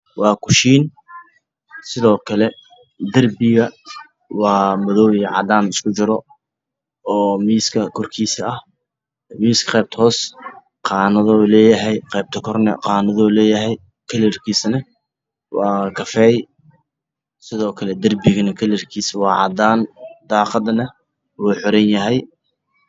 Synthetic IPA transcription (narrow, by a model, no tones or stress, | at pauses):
wɑːkʰʊʃiːn | sɪðɔːkʰɐlɛ | d̪ɐrbɪɣɐ | wɑːmɐðɔːwjʕɑ̰d̪aːnɪskʰʊt͡ʃɪɾɔ | ɔːmiːskʰɐkʰɔrkʰiːsɐɐh | miːskʰɐ̥qɛːb̚t̪ʰhɔːs | qɑːnɐðɔlɛːjɐɦɛjqɛːb̚t̪ʰɐkʰɔrnɛ̰qɑːnɐðɔːlɛːjɐɦɛj | kʰɐlɪrkʰiːsnɐ | wɑːkʰɐfɛːj | sɪðɔːkʰɐlɛd̪ɐrbɪɣɐnɐkʰɐlɪrkʰiːswɑːʕɑ̰d̪aːnd̪ɑːqɑd̪nɐ | wuːħɔɾɛnjɐɦɛj